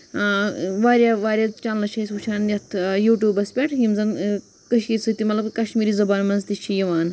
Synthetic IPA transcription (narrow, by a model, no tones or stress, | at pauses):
ʋaːɾjaʋaːɾjat͡ʃaːnlɐt͡ʃʰɐisut͡ʃʰaːnʲɐt̪ʰjuːʈʲjuːbɐspʲeʈʰɦimzɐn | kəʃkisʰɨt̪imɐt̪lɐbkɐʃmiːɾizɐbaːnmɐnzt̪it͡ʃʰːijɐʋaːn